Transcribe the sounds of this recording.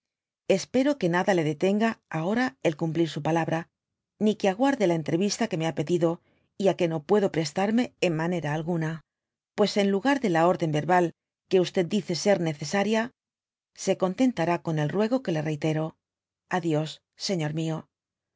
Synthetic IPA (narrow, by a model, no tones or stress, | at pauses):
e̞spe̞ɾo̞ke̞naðale̞ðe̞t̪e̞ŋɡaːo̞ɾae̞lkumpliɾsupalaβɾa | nikeaɣ̞waɾðe̞lae̞nt̪ɾe̞βist̪ake̞me̞ape̞ðiðo̞ | iake̞no̞pwe̞ðo̞pɾe̞st̪aɾme̞ːmmane̞ɾaːlɣuna | pwe̞se̞nluɣaɾðe̞lao̞ɾðe̞mbe̞ɾβal | ke̞ust̪e̞d̪d̪iθe̞se̞ɾne̞θe̞saɾja | se̞ko̞nt̪e̞nt̪aɾako̞ne̞lrwe̞ɣo̞ke̞le̞re̞jt̪e̞ɾo̞ | aðjo̞sː | e̞ɲo̞ɾmio̞